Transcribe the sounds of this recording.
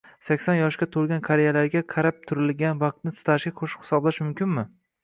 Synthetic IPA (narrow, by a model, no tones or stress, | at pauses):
sakʲsɒnjɒʃkʲat̪ʰolˠɡʲankʰaɾejalaɾɡʲaqʰɑɾap̚t̪ʰʊɾɪlɡʲanvɑq̚t̪̚nɪsɪ̥t̪ʰaʃʲaqʰoʃɪ̥qhɪ̥sɒblaʃmʊmkʲʰɪnmɪ